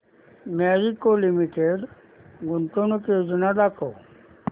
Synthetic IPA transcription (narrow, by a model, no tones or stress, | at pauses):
maɾikolimiʈeɖ | ɡuɳʈonukjod͡znadakʰo̰